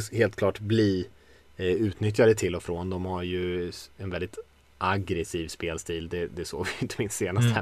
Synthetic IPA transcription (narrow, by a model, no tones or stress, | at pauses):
heːlt̪kʰlɑːʈbliː | ʉ̟ːt̪nʏt̪̬jad̪ət̪ʰɪlːɔfɾoːnd̪ɔmhaɾjɵɛnvɛld̪ɪt̪ | ʔaɡɾɛsiːvspeːlst̪iːld̪ɛd̪ɛso̰ːɡvɪjɪnt̪əmɪnsːeːnast̪əhæ